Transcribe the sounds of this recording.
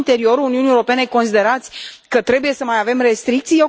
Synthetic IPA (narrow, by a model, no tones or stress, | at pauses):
nt̪e̞ɾio̞ɾuuniunijeoɾo̞pe̞ne̞ko̞nsid̪e̞ɾat̪sʲkət̪ɾe̞buje̞səmajave̞mre̞st̪ɾikt̪sije